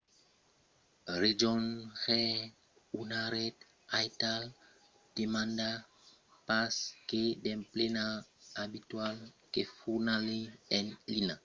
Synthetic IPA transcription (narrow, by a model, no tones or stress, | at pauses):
ʁed͡ʒɔnʁɛ | unaɾɛt̪ | ajtal | d̥emãnda | paskedɛ̃mplenaabit̪walkefuʁnaleɛ̃nlina